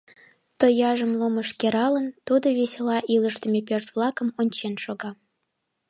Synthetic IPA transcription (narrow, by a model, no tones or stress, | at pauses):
t̪əjɑʒə̆mlˠoməʃkʲeɾɑlə̆nt̪ud̪ə̆βesʲelɑʔiləʃt̪ə̆mʲepørt̪vlˠɑkə̆monʲt͡ɕenʃoɣɑ